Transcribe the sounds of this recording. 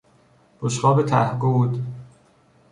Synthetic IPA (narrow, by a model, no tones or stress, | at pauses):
b̥oʃɢɒːbet̪ʰæhɡud̪